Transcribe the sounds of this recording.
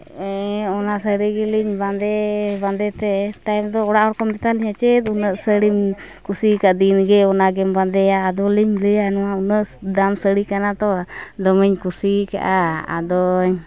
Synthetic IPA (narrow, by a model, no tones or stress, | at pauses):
ɛɔnasəɾiɡɛliɲband̪ɛband̪ɛt̪ɛt̪ajmd̪ɔɔɽaʔɦɔɾkɔmbɛt̪aliɲat͡ʃɛt̪̚unəʔsəɾim | kusikaʔd̪inɡɛɔnaɡɛmband̪ɛaːd̪ɔliɲləjanɔwaunəʔd̪amsəɾikanat̪ɔad̪ɔməɲkusika̰ʔaa̰d̪ɔɲ